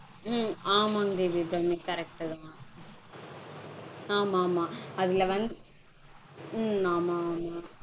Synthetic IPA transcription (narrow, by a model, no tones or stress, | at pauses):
maːmaːŋd̪ibibɾɐmikɐɾɛk̚ʈt̪ãː | aːmaːmãːɐðɪlɐʋɐnd̪ | aːmaːmãː